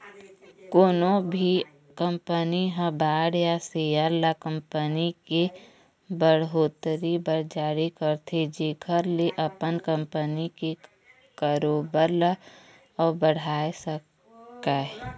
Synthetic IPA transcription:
koːnobʱi | kə̃mpəniɦə̃baːɽjasejəɾlakə̃mpənike | bəɽɦoːt̪ɾibəɾd͡ʒaːɾikəɾt̪ʰed͡ʒeːkʰəɾleʔəpənkə̃mpənike | kəɾoːbəɾla | ɔbəɽ̤aːesək | kaɦɛ

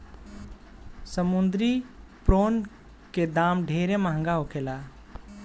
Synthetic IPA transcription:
səmund̪ɾipɾon | ked̪amɖʱeɾeməɦə̃ŋɡaɦokʰela

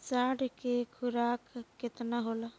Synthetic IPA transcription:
saːɽkekʰʊɾaːkːɪt̪naɦola

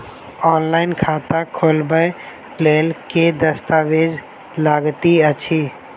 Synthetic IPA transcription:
ɔːnlaɪnkʰat̪akʰolbəj | lelked̪əst̪aʋed͡ʒ | laɡt̪iət͡ʃʰi

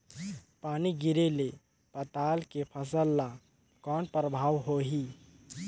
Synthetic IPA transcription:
paːniɡɪɾele | pət̪aːlkepʰəsəlːa | kɔːnpɾəbʱaːwɦoɦi

